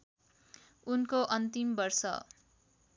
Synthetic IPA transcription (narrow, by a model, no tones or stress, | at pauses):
unkoʔʌnt̪imbʌrsʌ̰